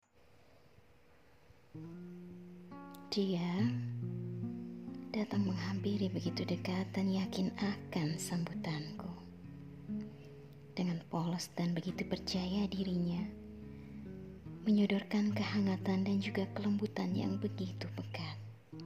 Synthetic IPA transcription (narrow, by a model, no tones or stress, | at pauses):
d̥ia | d̥at̪aŋməŋɦampiɾibəɡit̪udəkat̪̚d̪anjakɪnakansambut̪anku | d̥əŋanpɔləsdanbəɡit̪upərt͡ʃajadiɾiɲa | məɲɔdɔrkankəhaŋat̪andand͡ʒuɡakələmbut̪anja̰ŋbəɡit̪ubəkat̪̚